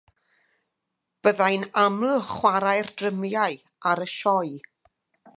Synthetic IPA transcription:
b̥əðajnamlχwaɾajrdrəmjaɨ | aɾəʃɔɨ

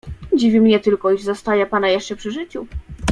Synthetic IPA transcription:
d͡ʑivʲimɲɛt̪ɘlkɔiʐzɔst̪ajɛpanajɛʂt͡ʂɛpʂɘʐɘt͡ɕu

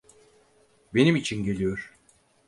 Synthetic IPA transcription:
be̞nimit͡ʃʰinɟe̞lʲijo̞ɾ̥

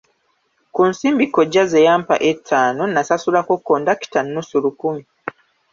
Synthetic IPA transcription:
kunsiːmbikːoɟːazejaːmpa̰ʔetʰːaːnonasasulakokːoːndaki̥tanːusulukumi

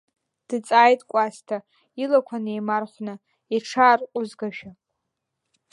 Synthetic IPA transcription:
d̥ɨt͡sʼaːjtʼkʷʼastʰa | ilakʷʰanejmarχʷnɨ | iʈ͡ʂʰaːrqʷʼʊzɡaʒᶣa

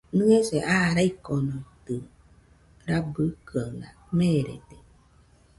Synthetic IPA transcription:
nɨ̃eseʔaɾaikonot̪ɯ | ɾabɯkɯalameɾḛd̪e

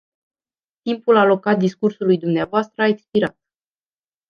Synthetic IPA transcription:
t̪impulalo̞kat̪̚d̪iskursulujd̪umneavoast̪ɾəaekspiɾat̪̚

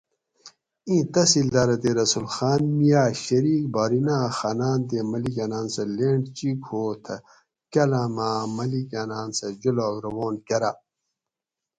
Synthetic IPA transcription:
ĩːt̪ɐsild̪aːɾɐt̪eɾɐsulxaːnmijaːɕɐɾiːk̚baːɾinaːxanaːnt̪emɐlikanaːnsɐleːɳɖt͡ɕikhoːt̪ʰɐ | kɐlɐmaːmɐlikɐnaːnsɐd͡ʑuloɡɾɐwoːnkɐɾa

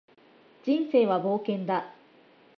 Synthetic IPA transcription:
d͡ʑĩɰ̃se̞ːβabo̞ːkẽ̞nd̪a

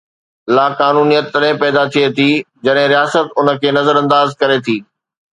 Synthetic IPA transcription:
laːkaːnuːnijət̪ːɐɗɦẽpɛːd̪at̪ʰiet̪ʰiː | d͡ʑɐɗɦɪ̃ɾijaːsət̪ʊnə̆kʰeːnɐzəɾɐ̃nd̪aːzkɐɾet̪ʰiː

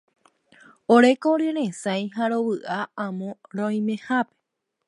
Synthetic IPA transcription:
oɾe̞koɾeɾẽsãj̃haɾo̞βɨʔaãmõ̞ɾõj̃mẽ̞hape̥

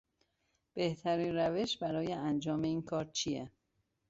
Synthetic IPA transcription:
b̥e̞ht̪ʰæɾiːnræve̞ʃbæɾɒːjeænd͡ʒɒːme̞iːnkʰɒːɾt͡ʃʰije

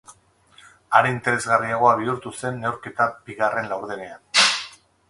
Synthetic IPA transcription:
aɾeint̪eɾe̞zɣariaɣ̞o̞aβ̞iuɾt̪use̞nːe̞wɾke̞t̪ab̥iɣare̞nlawɾðene̞an

